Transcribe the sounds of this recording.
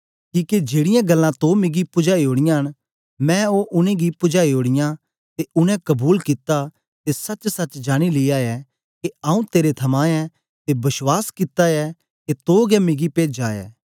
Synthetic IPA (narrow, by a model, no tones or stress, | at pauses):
kiːked͡ʒeːɽɪjãɡɐlːãt̪oːmɪɡipʊd͡ʒaːiɦoːɽ̃ɪjãɦəɽ̃ | mɛ̃ːoːʔʊnẽɡipʊd͡ʒaːiɦoːɽ̃ɪjã | t̪eʊnɛ̃kɐbuːlkɪt̪a | t̪esɐt͡ʃsɐt͡ʃd͡ʒaːɽ̃ilɪaːɛ | keaːũt̪eːɾet̪ʰɐmãːɛ | t̪ebɐswaːskɪt̪aɛ | t̪et̪oːɡɛmɪɡipeːd͡ʒaːɛ̰ː